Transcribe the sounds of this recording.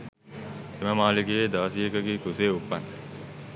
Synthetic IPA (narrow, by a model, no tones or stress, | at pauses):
eməmaːliɡejeːd̪aːsijekəɡikuseːupːan